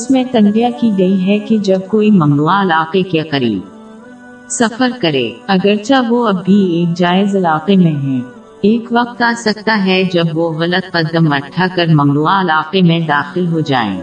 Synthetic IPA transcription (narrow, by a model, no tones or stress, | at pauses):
ʊsmẽt̪ɐ̃nɖijakiɡɐiɦɛked͡ʒɐb̚koːimɐmnuaɪlaːqekeqɐɾḭːb | sɐfəɾkɐɾḛːɐɡəɾt͡ʃaʋoɐbʱːieːk̚d͡ʒaːɪzɐlaːqemẽɦɛ̃ː | eːkʋɐq̚t̪aːsɐk̚t̪aɦɛd͡ʒɐbʋoɣɐlət̪̚qɐd̪ːəmɐʈʰakɐɾmɐmnuaɪlaːqemẽd̪aːxɪlɦod͡ʒa̰ːḛ̃ː